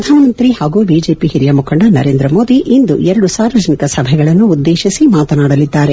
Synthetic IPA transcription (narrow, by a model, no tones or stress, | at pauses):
ɐd̪ʱaːɐnɐnt̪ɾiːhaːɡuːbiːd͡ʒe̞ːpihiɾjɐmukʰɐɳɖɐnɐ̰ɾeːnd̪ɾɐmoːd̪iʔind̪uʔɛɾɐɽusaːɾʋɐd͡ʒɐnikɐsɐbʱɛɡɐɭɐnːuːd̪ːeːʃisimaːt̪ɐnaːɽɐlid̪ːaːɾe